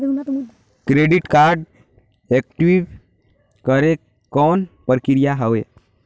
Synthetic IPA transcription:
kɾeɖiʈkaɾɖ | ek̚ʈiʋ | kəɾe | kɔːnpəɾkiɾjaɦəwe

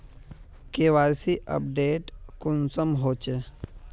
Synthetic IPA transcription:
keʋaːjsiʔə̰p̚ɖeːʈkʊnsəmɦoːt͡ʃe

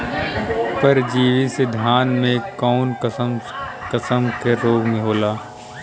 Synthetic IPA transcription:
pɐɾd͡ʒiːʋised̪ʱjaːnmẽkɔːn | kɐsəmkeɾoːɡmẽɦoːlaː

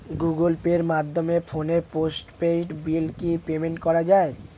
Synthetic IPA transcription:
ɡuɡolpeɾmad̪ʱːomefʰoneposʈpeʈbilkipemeɳʈkɔɾad͡ʑae

